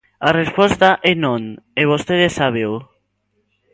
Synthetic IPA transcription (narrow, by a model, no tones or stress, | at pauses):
arespost̪aʔenõneβ̞ost̪eð̞esːaβ̞ew